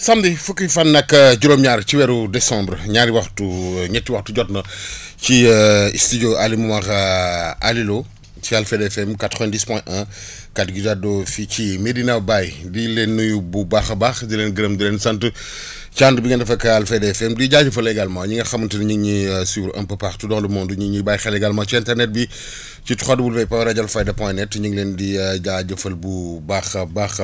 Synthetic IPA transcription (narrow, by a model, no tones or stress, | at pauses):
sɐmdifukːifɐnːɐkːɐɟuɾoːmɲaːɾt͡ʃiwɛɾudɛsãmbɾɲaɾiwɐxtuɲɛtːiwɐxtuɟɔtnɐt͡ʃistid͡ʒoʔalimumaxaalilo | t͡ʃialfedɛfɛmkatɾɛ̃ndispwɛ̃ʔɐ̃ | katɡid͡ʒadɔficimedinɐwbajdilenːujububaxɐbaxdileːnɡəɾɐmdilensɐntə | t͡ʃandbiŋɐndɐfɐkɐalfedefɛmdiɟaɟɐfɐlɛɡalmawɲiŋɡɐxɐmːɐntədiɲiŋɲisibɾɐ̰̃mpɐpaxtudɔŋlumɔːnduɲiŋɲibajxɛlɛɡalmawt͡ʃiɛ̃ntɛɾnɛt̚bi | t͡ʃitu̥xɔdəbulfɛjpawɾɐɟɐlfajdɐpɔ̃jnɛtːɲiŋlendiɟaɟɐfɐlbubaxbax